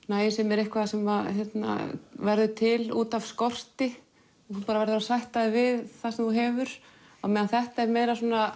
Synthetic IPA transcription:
naːjsɛmɛɾehkvaðasɛmvaɾjɛt̪na̰vɛɾðʏt̪ʰɪluːt̪av̥skɔr̥t̪ɪ | θupaːɾavɛɾðʏɾasajht̪aðɪvɪðθasɛmθuɦɛːvʏɾ̥ | awmɛːðanθɛht̪aɛɾmeːjɾasuːna

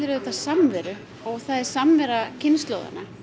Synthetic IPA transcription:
ɪɾʏðɛt̪asamvɛːɾʏ | ɔɣθaðɛɾ̥samvɛɾacʰɪnst̪loːwða̰nːa

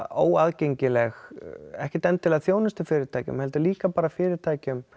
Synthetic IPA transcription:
o̰ːwaðcejɲcɪlɛxɛhcɪt̪ɛnt̪ʰːɪlaðθjoːwnʏst̪ɪfɪːɾɪɾ̥t̪ʰaːjcʏ̰mhɛlt̪ʏɾliːkapaːɾafɪːɾɪɾt̪ʰaːjcʏm

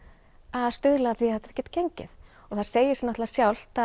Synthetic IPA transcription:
aðst̪ʏðlaaθviɛt̪ːaɾ̥cɛːt̪cejɲcɪ̰ð | ɔɣθað̥seːjɪsmnat̪lasjawl̥t̪a

